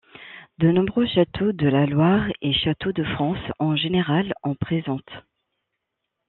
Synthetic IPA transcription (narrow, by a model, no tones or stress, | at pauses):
d̪ənɔ̃bʁøʃat̪ʰod̪əlalwaʁeʃat̪od̪əfχɑ̃sɑ̃ʒeneʁalɑ̃pχezɑ̃t̪